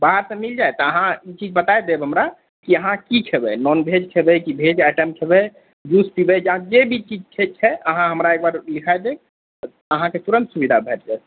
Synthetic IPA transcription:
baɦəɾsəmild͡ʒajt̪ɔəɦãit͡ʃid͡ʒbət̪ajd̪ebɦəmɾa | kiəɦãkikʰebɛnɔnbʱed͡ʒkʰebɛkibʱed͡ʒaʈəmkʰebɛ | d͡ʒuspibɛd͡ʒãd͡ʒebʱit͡ʃid͡ʒkʰet͡ʃʰɛəɦãɦəmɾaek̚baɾlikʰajd̪e | əɦãket̪uɾənt̪subid̪ʱabʱeʈd͡ʒa

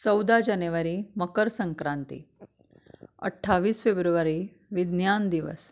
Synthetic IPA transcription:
t͡səwd̪ad͡ʑanuʋaɾiːməkəɾsəŋkɾãnt̪ḭ | ə̰ʈʰːaʋiːsfebɾuʋaɾi | ʋid̪njand̪iʋə̰s

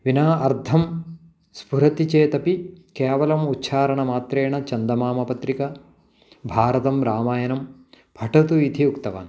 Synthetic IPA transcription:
ʋinaːʔɐɾd̪ʱɐm | spuɾɐt̪it͡ʃeːt̪ɐpikeːʋɐlɐmutːʃʰaːɾɐɳɐmaːt̪ɾeːɳɐt͡ʃɐnd̪ɐmaːmɐpɐt̪ɾikɐ | bʱaːɾɐt̪ɐmɾaːmaːjɐnɐm | bʱɐʈɐt̪uit̪ʰiukt̪ɐʋa̰ːn

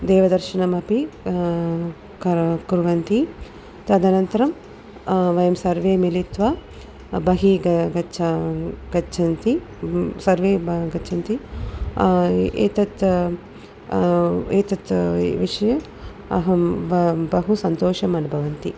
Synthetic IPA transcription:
d̪eːʋɐd̪ɐɾʃinɐmɐpi | kɐkuɾuʋɐnt̪i | t̪ɐd̪ɐnɐnt̪ɐɾɐm | ʋɐjɐmsɐɾʋeːmilit̪ʋɐ | bɐɦiɡɐɡɐt͡ʃʰɐɡɐt͡ʃʰɐnt̪i | sɐɾʋeːɡɐːt͡ʃʰɐnt̪i | ḛːt̪ɐt̪ | eːt̪ɐt̪ʋiʂɐjɐ | ɐ̰ɦɐ | bɐɦusɐnt̪oːʃɐmɐnubʱɐʋɐnt̪i

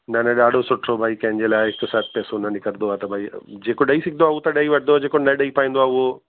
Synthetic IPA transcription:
nɐnɐɗaːɖʱosʊʈʰɾobʱaːikɐ̃ɦɪ̃ɲd͡ʑeːlaːɪɦɪksaːt̪ʰpɛːsonɐnɪkəɾnd̪oaːt̪ɐbʱaːḭd͡ʑeːkoɗɐisɪkʰnoaːuːt̪ɐɗɐiʋɐʈʰnoaːd͡ʑeːkonɐɗɐipaːĩnd̪oaːʊɦo

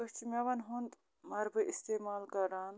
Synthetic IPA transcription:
ɨt͡ʃʰimeʋɐnɦunt̪ | mɐɾbɨʔist̪eːmaːlkɐɾaːn

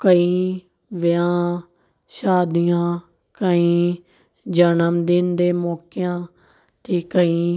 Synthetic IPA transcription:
kəĩ | ʋɪjãː | ʃaːd̪ijãː | kəĩː | d͡ʒənəmd̪ɪnd̪eːmɔːkɪjãː | t̪ʰiːkəĩː

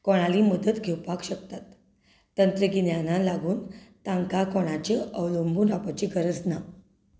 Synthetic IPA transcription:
kɔɽ̃aliːməd̪ət̪ɡʱewpakɕəkt̪at̪ː | ənt̪ɾəkinjanalaɡuːnt̪ãŋkakɔɽ̃at͡ɕeʔəwlombʱunapat͡ɕiɡəɾəd͡zna

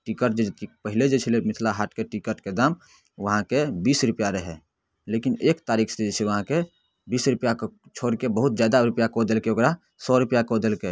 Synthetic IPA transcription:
ʈikəʈd͡ʒeipəɦɪled͡ʒet͡ʃʰilemɪt̪ʰlaɦaːʈkeʈikəɾʈked̪aːm | ʋəɦãkebiːsɾʊpjaɾəɦɛ̰ | leːkɪneːkt̪aːɾiːkʰsed͡ʒet͡ʃʰeʋəɦãke | biːsɾʊpjakt͡ʃʰoːɾkebəɦʊt̪d͡ʒjaːd̪aɾʊpjakod̪əlkeoɡɾa | sɔɾʊpjakod̪elke

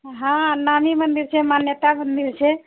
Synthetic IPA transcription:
ɦãnamimənd̪iɾt͡ʃʰemanjət̪amənd̪iɾt͡ʃʰe

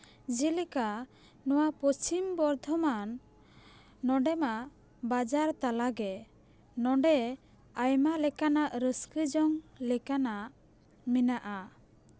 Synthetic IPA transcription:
d͡ʒilika | nɔwapɔt͡ʃimbɔɾd̪ʱɔman | ɔɳɖɛma | bad͡ʒaɾt̪alaɡɛ | nɔɳɖɛ | ajmalɛkanaʔɾəskəd͡ʒɔŋlɛkanaʔ | minaʔa

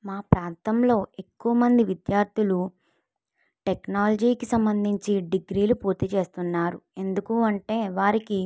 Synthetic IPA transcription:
maːpɾaːnt̪ɐmlo̞ːʔe̞kːuʋɐmɐnd̪iʋid̪jaːɾt̪ʰilu | ʈeknaːlɐd͡ʒiːkisɐmbɐnd̪ʱiɲt͡ʃiɖiɡɾiːlupuːɾt̪it͡ʃe̞ːst̪unːaːɾue̞nd̪ukuɐɳʈe̞ːʋaːɾiki

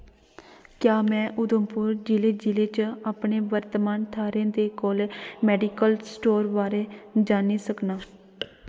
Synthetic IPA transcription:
kjaːmɛ̃ːʔʊd̪əmpʊɾd͡ʒɪleːd͡ʒɪleːt͡ʃaːpɳeːʋəɾt̪əmaːnt̪ʰaːɾẽd̪eːkoːlmɛːɖiːkəlsʈoːɾʋaːɾeːd͡ʒaːniːsəknaː

